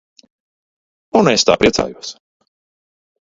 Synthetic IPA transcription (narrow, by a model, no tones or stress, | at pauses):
unest̪a̰ːpɾiɛsa̰ːjuɔs